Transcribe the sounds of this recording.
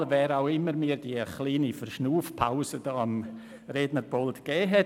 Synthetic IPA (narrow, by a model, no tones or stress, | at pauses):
vɛːɾaʊɪməɾmiːɾdiəχliːnifərʃnuːfpʰaʊzəd̥ɔm | ɾeːdnəɾboltɡ̥ɛːɦɛ